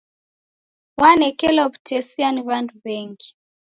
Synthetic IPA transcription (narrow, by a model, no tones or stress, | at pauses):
wanɛkɛlɔβtɛsianiβanduβɛŋɡi